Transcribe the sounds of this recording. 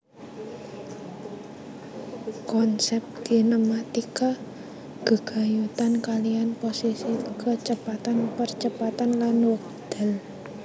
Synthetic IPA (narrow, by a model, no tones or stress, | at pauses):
kɔnsɛp̚t̪ɡ̪̥i̤nəmat̪ika | ɡ̥ə̤ɡ̥a̤jut̪ankalijanposisikət͡ʃəpat̪anpərt͡ʃəpat̪anlanwək̚ | d̪̥a̤l